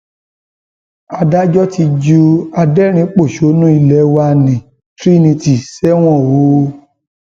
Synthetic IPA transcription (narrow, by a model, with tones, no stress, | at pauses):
a˧da˦d͡ʒɔ˦ti˧d͡ʒu˧a˧dɛ˦˨ɾ̃ĩ˧˦k͡po˦˨ʃo˨˦nũ˦i˧lɛ˨˦wa˧nĩ˨ | tɾi˦nĩ˧ti˨sɛ˦w̃ɔ̃˦˨wo˨˦